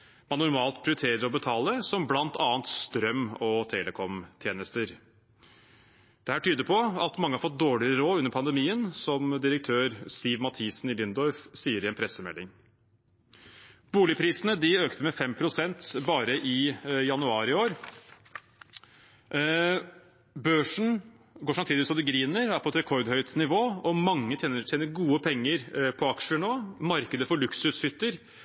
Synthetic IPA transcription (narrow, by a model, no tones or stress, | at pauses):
mɑnːʊɾmɑːlt̪̚pʰɾɪʊɾt̪ʰeːɾəɾɔbət̪ʰɑːləsɔmblɑnt̪ʰɑːənt̪st̪ɾœmɔt̪ʰeːləkʰɔmt̪ʰjeːnəst̪əɾ | d̪̥ɛhæːʈʰyːd̪əpʰɔɑt̪mɑŋːəhɑɾfɔt̪̚d̪oːɭɪəɾoːʉnːəɾpʰɑnd̪ɛmiːənsɔmd̪ɪɾək̚t̪ʰøːɾsiʋmɑt̪ʰiːsnɪlɪnd̪ɔɾfsiːəɾɛnpʰɾɛsəmɛ̰lːɪŋ | b̥uːlɪpʰɾiːsnəd̪ɪøːkt̪əmɛfɛmpʰɾʊsɛnt̪bɑːɾəʔɪjɑnʉɑːɾɪoːɾ | bøːʂɳ̩ | ɡoːʂɑmt̪ʰiːd̪ɪʋɪsɑd̪əɡɾiːnəɾæɾpʰɔɛt̪ɾɛkʰɔɾd̪hœʏt̪nɪʋoːɔmɑŋːət̪ʰjeːnəeːnəɾɡuːəpʰɛŋːəɾpʰɔɑkʂənoːmɑɾkəd̪əfɔɭʉksʉshʏt̪ːəɾ